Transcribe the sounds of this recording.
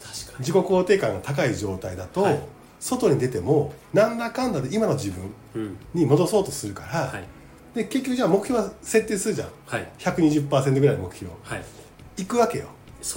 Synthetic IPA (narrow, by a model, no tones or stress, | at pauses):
d͡ʑiko̞ko̞ːt̪e̞ːkãŋɡat̪akaiʑo̞ːt̪aid̪at̪o̞ | so̞t̪o̞ɲ̟id̪e̞t̪e̞mo̞nãnd̪akãnd̪ad̪e̞imano̞d͡ʑibɯ̟̃ | ɲ̟imo̞d̪o̞so̞ːt̪o̞sɨɾɯ̟kaɾa | d̪e̞ke̞kʲːokɯ̟aːmo̞kɯ̟çʲjo̞ːβase̞t̪ːeːsɨɾɯ̟ʑã̰ŋçakɯ̟ɲ̟iʑɯpːaːsẽnt̪oɡɯɾainmo̞kɯ̟̥çʲo̰ | ikɯ̟βake̞̰jo̰